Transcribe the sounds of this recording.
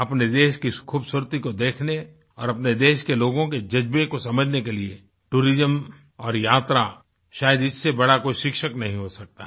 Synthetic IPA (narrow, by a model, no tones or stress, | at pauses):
ɐpned̪eːʃkikʰuːbsuɾt̪ikod̪eːkʰne | ɔːɾɐpned̪eːʃkeloːɡõked͡ʒɐd͡ʒbekosɐməd͡ʒʱnekelie | ʈuːɾɪzəm | ɔːɾjaːt̪ɾa | ʃaːjəd̪ɪsːebɐɽakoːiʃɪkʃəknɐɦĩɦosɐk̚t̪aɦ